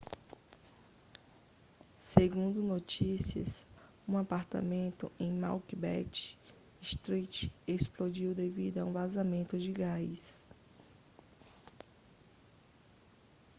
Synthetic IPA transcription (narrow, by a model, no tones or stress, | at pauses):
seɡũnd̪ʊnot͡ʃisiɐ̰s | ũapaɾt̪a̰mẽnt̪ʊ̰ʔẽj̃ma̰wkibɛ̰t͡ʃ | iʃt̪ɾit͡ʃesplod͡ʒiwd̪evid̪aũvazamẽnt̪ʊd͡ʒɪɡajs